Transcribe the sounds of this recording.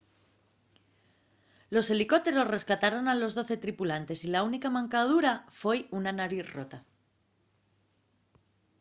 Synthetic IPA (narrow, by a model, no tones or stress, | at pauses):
lo̞se̞liko̞t̪e̞ɾo̞sre̞skat̪aɾo̞nalo̞zðo̞θe̞t̪ɾipulant̪e̞silaunikamãŋkað̞uɾafwejunanaɾiθro̞̰t̪a